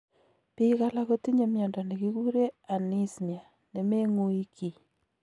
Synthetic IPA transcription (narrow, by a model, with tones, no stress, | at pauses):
pika˦la˦ko˦ti˦ɲe˦mjɔ˨ndɔ˨ne˨ki˦ku˦ɾe˦a˨ni˦snja˨ | ne˨me˦ŋu˦i˦ki˨